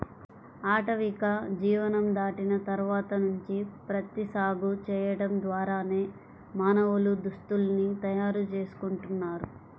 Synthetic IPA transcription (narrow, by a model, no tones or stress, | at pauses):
aːʈɐʋikɐd͡ʒiːʋɐnɐmd̪aːʈinɐt̪ɐɾʋaːt̪ɐnuɲt͡ʃipɾɐt̪isaːɡut͡ʃɛːjɐɽɐmd̪ʋaːɾaːne̞ː | maːnɐʋulud̪ust̪ulnit̪ɐjaːɾut͡ʃe̞ːsu̥kuɳʈunːaːɾu